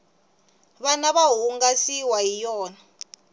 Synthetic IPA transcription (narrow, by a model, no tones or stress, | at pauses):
βanaβaɦuŋɡasiwaɦijɔːna